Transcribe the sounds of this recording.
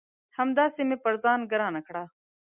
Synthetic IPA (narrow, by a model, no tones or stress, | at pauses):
hɐmd̪aːseːmẽːpɐɾzaːnɡɐɾãːnɐkʰɽaː